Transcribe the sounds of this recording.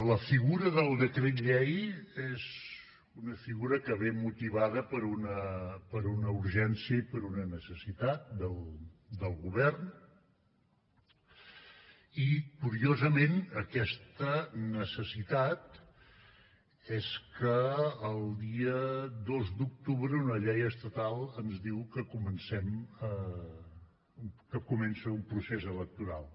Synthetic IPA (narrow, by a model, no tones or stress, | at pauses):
ləfiɣuɾəðəlˠd̪əkɾet̪ʎɛjez | unəfiɣuɾəkəβemut̪iβaðəpəɾunəpəɾunəuɾʒɛnsiəipəɾunənəsəsit̪at̪̚d̪əlˠd̪əlˠɣuβɛrn | ikuɾiozəmenəkɛst̪ənəsəsit̪at̪ | ɛskəːlˠd̪iəd̪ozd̪uk̚t̪uβɾəunəʎɛjəst̪ət̪alˠənzðiwkəkumənsɛmə | kəkumɛnsəumpɾusezələk̚t̪uɾa̰lˠ